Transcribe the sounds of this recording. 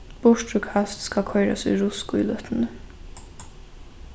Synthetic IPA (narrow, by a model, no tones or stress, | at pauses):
b̥ʊʂt̪ɾʊkʰast̪skakʰɔɪɾa̰sḭɹʊskʊḭlœt̪nə